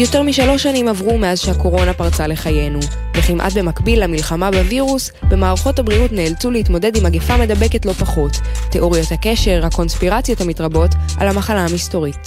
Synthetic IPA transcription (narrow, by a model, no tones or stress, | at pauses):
jo̞te̞ʁmiʃalo̞ʃanimavʁumeazʃehako̞ʁo̞napaʁt͡sale̞χaje̞nu | veχimʔa̰tbe̞makbilːamilχamabeviʁus | be̞maːʁaχo̞thabʁiutneːlt͡sulehitmo̞de̞dimaɡefame̞dabe̞ke̞tlo̞paχo̞tːeʔo̞ʁijothake̞ʃe̞ʁhako̞nspiʁat͡sjo̞thamitʁabo̞tʔa̰lhamaχalaamisto̞ʁit